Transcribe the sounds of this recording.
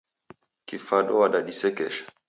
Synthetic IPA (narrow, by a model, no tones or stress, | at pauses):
kifaɗɔwaɗaɗisɛkɛ̰ʃḁ